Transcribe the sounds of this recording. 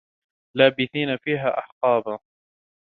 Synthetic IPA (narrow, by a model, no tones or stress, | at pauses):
laːbɪθiːnafiːɦaːʔaħqɑːba